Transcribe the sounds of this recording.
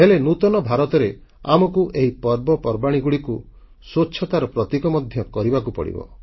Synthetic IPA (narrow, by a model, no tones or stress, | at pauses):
ɦelenut̪ɔnɔbʱaɾɔt̪ɔɾe | a̰mɔkuʔeɦipɔɾbɔpɔɾbaɽ̃iɡuɽiku | sotːʃʰɔt̪aɾɔpɾɔt̪ikɔmɔd̪ʱjɔkɔɾibakupɔ̰ɽḭbɔ̰